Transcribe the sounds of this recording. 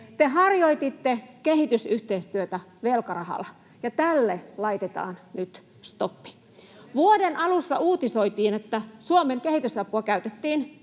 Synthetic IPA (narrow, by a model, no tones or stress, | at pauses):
t̪eɦɑrjoit̪it̪ːekehit̪ysyht̪eist̪yøt̪æʋelkɑrɑhɑ̰lɑ | jɑt̪ælːelɑit̪et̪ɑ̰ːnnyt̪ | st̪opːi̥ | ʋuodenʔɑlusːɑuːt̪isoit̪iːnet̪ːæsuomeŋkehit̪ysɑpuɑkæyt̪et̪ːiːn